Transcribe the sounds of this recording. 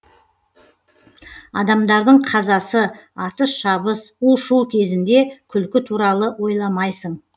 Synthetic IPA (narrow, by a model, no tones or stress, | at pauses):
ɑd̪ɑmd̪ɑɾd̪əɴqʰɑzɑsəɑt̪əsʃɑβəsuʃuwkʲʰe̞zɪnd̪e̞kʲʰʏlkʲɪt̪ʰuɾɑlˠəwo̞jlˠɑmɑjsəɴ